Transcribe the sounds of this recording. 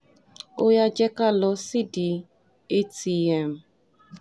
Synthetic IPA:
o˦ja˦d͡ʒɛ˦ka˦lɔ˧si˦di˨ | e˦ti˦ɛ˨m̩˨

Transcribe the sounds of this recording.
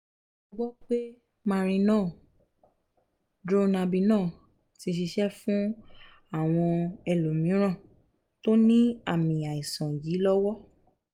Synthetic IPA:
o˧ɡ͡bɔ˦k͡pe˦ | mã˧ɾ̃ĩ˧nãː˦˨ | dɾo˦na˧bi˧nãː˦˨ | ti˧ʃ̬i˧ʃɛ˦fũ˦ | a˦˨w̃ɔ̃˧ɛ˨lo˨mĩ˨˦ɾ̃ã˦˨ | to˦nĩ˦a˦˨mĩ˨a˨ĩ˨sã˨ji˨˦lɔ˦wɔ˦

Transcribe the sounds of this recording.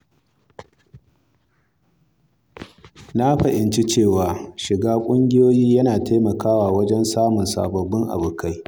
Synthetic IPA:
na˦ɸɐ˨ʔɪ˨nt͡ʃi˦t͡ʃeː˦˨waː˨ʃɪ˨ɡaː˦kʷʼʊ˦ŋɡʲɪ˦joː˦jiː˦jɐ˦naː˨te˦mɐ˨kaː˦waː˨wɐ˦d͡ʒɛ˦nsaː˦mʊ˨nsa̰ː˨bɐ˨bːɪ˦ŋʔa̰˨bʊ˨kʰa˦j

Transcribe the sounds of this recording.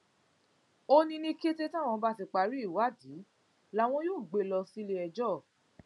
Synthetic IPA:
o˧nĩ˧nĩ˦ke˦te˦tã˦˨w̃ɔ̃˧ba˧ti˧k͡pa˨ɾi˦i˦˨wa˦˨di˨˦ | la˦w̃ɔ̃˧˦joː˦˨ɡ͡be˧lɔ˧si˦le˧˦ɛ˧d͡ʒɔ˦˨

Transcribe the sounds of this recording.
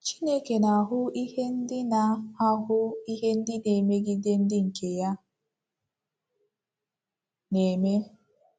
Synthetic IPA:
t͡ʃi˦ne˦ke˨na˨a˨ɦʊ˦i˦he˦n̩˦dɪ˦na˨a˦ɦʊ˦i˦ɦe˦n̩˦dɪ˦ne˨me˦ɡɪ˦de˦n̩˦dɪ˦ŋ̩˨ke˨ja˦ | ne˨me˦

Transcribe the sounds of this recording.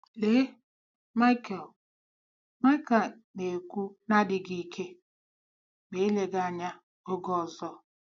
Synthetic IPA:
le˦ | ma˦ɪ˦kɛ˨l | ma˦ɪ˦ka˨l | ne˨kʷu˦na˦dɪ˨ɡi˨˦˨kʰe˦ | ɡ͡be˨i˦le˨ɡa˦˨a˨ɲa˦ | o˦ɡɔ˦˨zɔ˦

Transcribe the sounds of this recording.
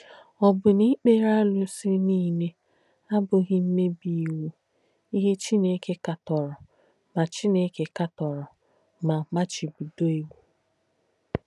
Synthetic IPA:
ɔ˨bʊ˨ni˦k͡pe˦ɾa˦lʊ˦sɪ˦niː˦ne˦ | a˦bʊ˨ɣɪ˦m̩˦me˦bi˨wu˦ | i˦ɦe˦t͡ʃi˦ne˦ke˦ka˨tɔ˨ɾɔ˨ | ma˨t͡ʃi˦ne˦ke˦ka˦tɔ˨ɾɔ˨ | ma˨ma˦t͡ʃi˨bu˨do˦i˨wʷu˨

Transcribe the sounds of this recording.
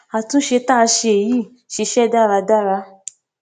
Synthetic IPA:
a˨tũ˦ʃe˧ta˦˧ʃe˧e˨ji˦˨ | ʃi˧ʃɛ˦˨da˦˨ɾa˧da˦˨ɾa˧

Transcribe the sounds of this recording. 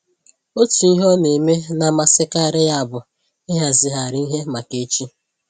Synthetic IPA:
o˦tu˨i˦ɦɔ˦ne˨me˦na˨ma˨sɪ˦ka˦˨ɾɪ˦ja˦a˨bʊ˨ | ɪ˦ɦa˨zɪ˨ɦa˨ɾɪ˦i˦ɦe˦ma˨ke˨˦t͡ʃi˦

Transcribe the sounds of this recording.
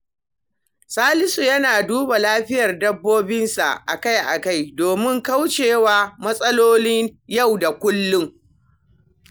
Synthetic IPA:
saː˦lɪ˦su˨jɐ˦naː˨duː˦ba˨laː˦ɸɪ˦jɐ˨rdɐ˦bːoː˦bɪ˦nsa̰˨ʔʔa̰˨ka˦jʔa̰˨ka˦˨jdoː˨mɪ˦ŋka˦wt͡ʃeː˨waː˦mɐ˦sʼɐ˦loː˦nɪ˦ɲja˦˨wda˨kʷʊ˦lːʊ˦ŋ

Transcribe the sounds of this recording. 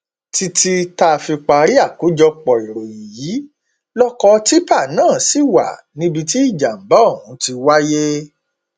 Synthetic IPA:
ti˧ti˧ta˧˨fi˧k͡pa˧ɾi˦a˦˨ku˨˦d͡ʒɔ˧k͡pɔ˨i˨ɾo˨ji˨ji˨˦ | lɔ˦kɔ˧˦ti˦pa˦˨nãː˦˨si˦˨wa̰˨ | nĩ˧bi˧ti˦i˦˨d͡ʒa˨m̩˨ba˨˦˨ũ˨˦ti˧wa˦je˦

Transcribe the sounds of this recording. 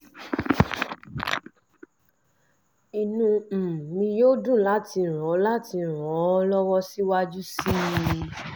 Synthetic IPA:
i˨nũ˧˨mĩ˧jo˦dũ˦˨la˨˦ti˧˨ɾ̃ɔ̃˨˦la˦ti˧˨ɾ̃ɔ̃˨˦lɔ˦wɔ˦si˦wa˦d͡ʒu˦si˦

